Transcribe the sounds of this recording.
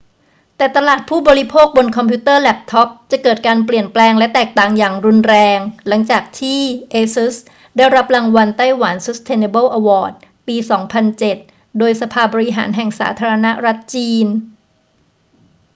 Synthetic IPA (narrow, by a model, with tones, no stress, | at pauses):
t̪ɛː˨˩t̪a˧laː˨˩t̪̚pʰuː˥˩bɔː˧ɾi˦˥pʰoː˥˩k̚bo˧nkʰɔ˧mpʰuː˦˥t̪ɤː˥˩lɛ˦˩p̚t̪ʰɔ˦˥p̚t͡ɕa˨˩kɤː˨˩t̪̚kaː˧npli˨˩ənplɛː˧ŋlɛ˦˥t̪ɛː˨˩k̚t̪aː˨˩ŋjaː˨˩ŋɾu˧nɾɛː˧ŋla˩˦ŋt͡ɕaː˨˩k̚t̪ʰiː˥˩ʔeː˧su˦˥s | daː˥˩jɾa˦˥p̚la˧ŋwa˧nt̪a˥˩jwa˩˦nsu˦˥st̪ʰeː˧ne˧bɤː˥˩wʔa˧wɔː˨˩t̪̚ | piː˧sɔː˩˦ŋpʰa˧nt͡ɕe˨˩t̪̚ | doː˧jsa˧pʰaː˧bɔː˧ɾi˦˥ɦa̰ː˩˦nɦɛ˨˩ŋsa̰ː˩˦t̪ʰaː˧ɾa˧na˦˥ɾa˦˥t̪̚t͡ɕiː˧n